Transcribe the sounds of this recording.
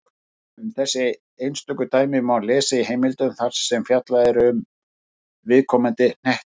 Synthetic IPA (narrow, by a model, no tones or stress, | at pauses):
ʏmθɛsːɪ | ejnst̪œkʏt̪aːjmɪmawlɛːsaiɦejmɪlt̪ʏmθar̥sːɛmfjat̪laðɪɾʏm | vɪðkʰɔmant̪ɪn̥ɛht̪